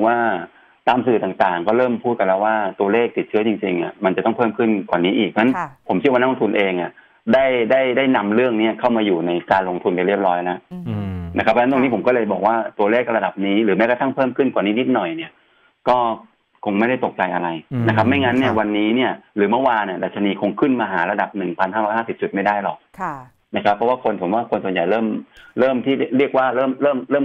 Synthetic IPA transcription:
waː˥˩ | t̪aː˧msɯː˨˩t̪aː˨˩ŋt̪aː˨˩ŋkɔː˥˩ɾɤː˥˩mpʰuː˥˩t̪̚ka˧lɛː˦˥waː˥˩t̪u˧ɐleː˥˩k̚t̪i˨˩t̪̚t͡ɕʰɯ˦˥ɐt͡ɕi˧ŋt͡ɕḭ˧ŋi˥˩ma˧nt͡ɕa˨˩t̪ɔ˥˩ŋpʰɤː˥˩mkʰɯ˥˩nkwaː˨˩niː˦˥ʔiː˨˩k̚na˦˥npʰo˩˦mt͡ɕʰi˥˦waː˥˧n˦˥lo˧t̪u˧nʔeː˧ŋʔa˨˩ | da˥˩jdaː˥˩jdaː˥˩jna˧mɾɯ˥˩əŋni˦˥˩ɐkʰa˥˩wmaː˧juː˨˩na˧jkaː˧nlo˧ŋt̪ʰu˧npa˧jɾi˥˩p̚ɾɔː˦˥jla˦˥ʔna˦˥kʰa˦˥pʰːn˦˥t̪o˧ŋni˦pʰo˩˦mkɔː˥˩lɤː˧jbɔː˨˩k̚waː˥˩t̪u˧ɐleː˥˩k̚ɾa˧da˨˩p̚niː˦˥ɾɯː˩˦mɛː˦˥ka˧t̪ʰa˥˩ŋpʰɤː˥˩mkʰɯ˥˩nkwaː˨˩niː˦˥ni˦˥t̪̚nɔ˨˩jni˦˥˩ɐ | kɔː˥˩ | kʰo˧ŋma˥˩jda˥˩jt̪o˨˩k̚t͡ɕa˧jʔa̰˧ɾa˧jna˦˥kʰa˦˥p̚ma˥˩jŋa˦˥nːi˥˩ɐwa˧nːiː˦˥ni˥˩ɐɾɯː˩˦mɯ˥˩waː˧ni˧˥˩da˨˩t̪̚t͡ɕʰa˧niː˧kʰo˧ŋkʰɯ˥˩nmaː˧ɦaː˩˦ɾa˧da˨˩p̚nɯ˨˩ŋpʰa˧nhɦaː˥˩ɾɔː˦jhaː˥˩si˨˩p̚t͡ɕu˨˩t̪̚ma˥˩jdaː˥˩jlɔ˨˩k̚kʰ | na˦˥kʰa˦˥pʰːɔ˦˥waː˥˩kʰo˧ntʰu˨˩˦mwaː˥˩kʰo˧nsu˨˩˦ja˨˩jɾɤː˥˩mɾɤː˥˩mt̪ʰiː˥˩ɾi˥˩ək̚waː˥˩ɾɤː˥˩mɾɤː˥˩mɾɤː˥˩m

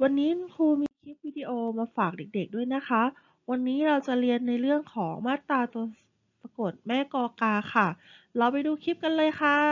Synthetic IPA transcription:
wa˧nːiː˦˥kʰuː˧miː˧kʰi˦˥p̚wiː˧˩diː˧ʔoː˧maː˧faː˨˩k̚de˨˩k̚de˨˩k̚du˥˩əjna˦˥xʰa˦˥ | wa˧nːiː˦˥ɾa˧wt͡ɕa˨˩ɾi˧ənːa˧jɾɯ˥˩əŋkʰɔː˩˦ŋmaː˥˩t̪ːɾaː˧t̪u˧ə | pa˧ko˨˩t̪̚mɛː˥˩kɔː˧kaː˧xʰa˥˩ɾa˧wpa˧jduː˧kʰi˦˥p̚ka˧nlɤː˧jxʰa˥˩

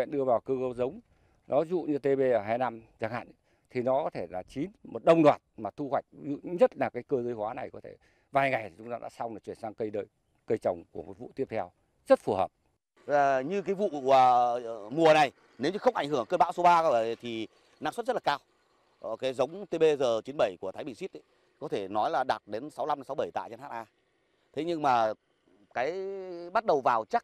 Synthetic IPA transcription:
ɛ̰˧˨nɗɨ˧əvaː˨˩wkɨ˧ɣə˧zə˨˦wŋ͡m | nʔɔ˨˦zṵ˧˨ɲɨ˧t̪e˧ɓe˧ʔəː˧˩ɦaː˧jna˧mzaː˧˩ŋha̰ː˧˨n | t̪ʰi˨˩nɔ˨˦kɔ˨˦t̪ʰe˧˩laː˨˩t͡ɕi˨˦nmo˨˩t̚ɗə˧wŋ͡mɗwaː˨˩t̚maː˨˩t̪ʰu˧hwa˨˩jk̟̚zṵ˧˨ɲə˦˥t̚laː˨˩kaː˨˦jkəː˧zəː˨˦jhwaː˨˦na˨˩jkɔ˨˦e˧˩ | vaː˨˩jŋa˨˩jt͡ɕʊ˨˦ŋ͡m̪aː˧ɗa̰ː˧˥sa˧wŋ͡mna˨˩t͡ɕwi˧˩ənsaː˧ŋkə˧jɗəː˧j | kə˧jt͡ɕə˨˩wŋ͡mku˧˩əmo˨˩t̚vṵ˧˨t̪i˦˥əpt̪ʰɛ˧w | zə˦˥t̚fu˧˩həː˨˩p̚ | aː˨˩ɲɨ˧kaː˨˦jvṵ˧˨˧əmu˨˩əna˨˩j | ne˨˦wɲɨ˧xə˧wŋ͡mʔa˧˩jŋ̟hɨ˧˩əŋkəː˧nɓa̰˧˥wso˨˦ɓaː˧˩ə˨˩˨t̪ʰi˨˩ | naː˧ŋsə˦˥t̚zə˦˥laː˨kaː˧w | kaː˨˦jzə˨˦wŋ͡mt̪e˧ɓe˧zəː˨˩t͡ɕi˨˦nɓə˧˩jku˧˩ət̪ʰaː˨˦jɓï˨˩ŋsi˦˥t̚ | kɔ˨˦t̪ʰe˧˩nɔ˨˦jlaː˨˩ɗa˨˩t̚ɗe˨˦nsa˨˦wla˧m˨˦sa˨˦wɓə˧˩jt̪a̰ː˧˨t͡ɕa˧nhaː˦˥t̚ʔaː˧ | t̪ʰe˨˦ɲɨ˧ŋmaː˨˩ | kaː˨˦jɓa˦˥t̚ɗə˨˩wvaː˨˩wt͡ɕa˦˥k̚

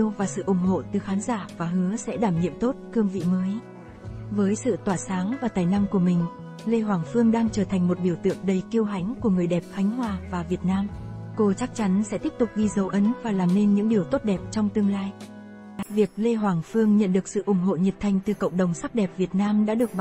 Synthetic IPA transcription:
əwvaː˨˩sɨ̰˧˨ʔʊ˧˩ŋ͡mɦo̰˧˨t̪ɨ˨˩xaː˨˦nzaː˧˩vaː˨˩ɦɨ˨˦əsɛ̰˧˥ɗaː˧˩mɲḭ˧˨əmt̪o˦˥t̚kɨ˧əŋvḭ˧˨məː˨˦j | vəː˨˦jsɨ̰˧˨t̪waː˧˩saː˨˦ŋvaː˨˩t̪aː˨˩jna˧mku˧˩əmï˨˩ŋ̟ | le˧ɦwaː˨˩ŋfɨ˧əŋɗaː˧ŋt͡ɕəː˧˩t̪ʰjŋ̟mo˨˩t̚ɗi˧˩əwt̪ɨ̰˧˨əŋ̚ɗə˨˩jki˧əwɦa˨˦jŋ̟ku˧˩əŋɨ˨˩əjɗɛ˨˩p̚xa˨˦jŋ̟ɦwaː˨˩vaː˨˩vi˨˩ət̚naː˧mko˧t͡ɕa˦˥k̚t͡ɕa˨˦nsɛ̰˧˥t̪i˦˥əp̚t̪ʊ˨˩k͡p̚ɣi˧zə˨˦wʔə˨˦nvaː˨˩laː˨˩mne˧nɲɨ̰˧˥ŋɗi˨˩əwt̪o˦˥t̚ɗɛ˨˩p̚t͡ɕɔ˧wŋ͡mt̪ɨ˧əŋlaː˧j | vi˨˩ək̚le˧ɦwaː˨˩ŋfɨ˧əŋɲə̰˧˨nɗɨ˨˩ək̚sɨ̰˧˨ʔʊ˨˧˩ŋ͡mɦo̰˧˨ɲə˨˩p̚t̪ʰa˨˩jŋ̟t̪ɨ˨˩kə̰˧˨wŋ͡mɗə˨˩wŋ͡msa˦˥p̚ɗɛ˨˩p̚vi˨˩ət̚naː˧mɗa̰ː˧˥ɗɨ˨˩ək̚ɓ

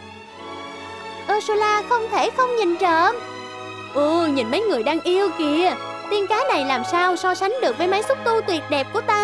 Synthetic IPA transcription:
ʔəː˧so˧laː˧xə˧wŋ͡mt̪ʰe˧˩xə˧wŋ͡mɲi˨˩nt͡ɕəː˧˨m | ʔu˧˩ɲɨ̰˧˨˩nmə˨˦jŋɨ˨˩əjɗaː˧ŋʔi˧əwki˧˩əə | t̪i˧ənkaː˨˦na˨˩jlaː˨˩msaː˧wsɔ˧sa˨˦ŋ̟ɗɨ˨˩ək̚ɓə˨˦jma˨˦jsʊ˦˥t̚t̪u˧t̪wi˨˩ət̚ɗɛ˨˩p̚ku˧˩ət̪aː˧

